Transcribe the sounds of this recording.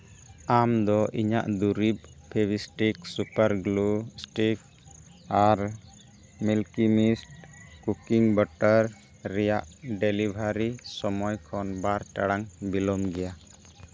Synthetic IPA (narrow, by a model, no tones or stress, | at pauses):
amd̪ɔʔiɲa̰ʔd̪uɾib̚pʰːɛbisʈiksupaɾɡlusʈik̚ | aɾ | milkimisʈkukiŋbɔʈaɾː | ɛjaʔɖelibʱaɾisɔmɔjkʰɔnbaɾʈaɽaŋbilɔmɡɛja